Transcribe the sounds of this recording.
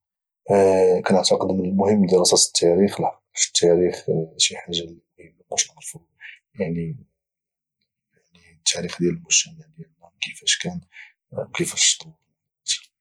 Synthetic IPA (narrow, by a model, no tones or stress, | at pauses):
kænəʕt̪ɑqəd̪mənəlmʊhəmːd̪əɾɑsæt̪ə̥t̪ːæɾixlħɑqfi̥t̪ːæɾixʃiħaʒːalimʊhəmːækuʃəd̪ɾfu | jaʕni | jaʕnit̪ʰːæɾixd̪jæləlmʊsæmaʕljælːækəfæʃkæn | wkəfæʃt̪ˤu | æt̪